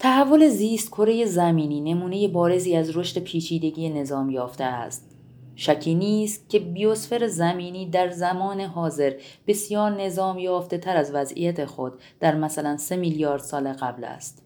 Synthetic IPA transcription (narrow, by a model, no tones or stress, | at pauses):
t̪ʰæhævːo̞le̞ziːst̪̚kʰo̞ɾe̞je̞zæmiːniːne̞muːne̞je̞bɒːɾe̞ziːæzɾo̞ʃt̪e̞pʰiːt͡ʃʰiːd̪e̞ɟijene̞zɒːmjɒːft̪eæ̰st̪̚ | ʃæcʰiːniːst̪̚cʲʰe̞bijo̞sfe̞ɾezæmiːniːd̪æɾzæmɒːneɦɒːze̞ɾb̥e̞sjɒːɾne̞zɒːmjɒːft̪e̞t̪ʰæɾæzvæzʔḭjæt̪ʰe̞xo̞d̪ːæɾmæsælænse̞miljɒːɾd̪̥sɒːleɣæblæ̰st̪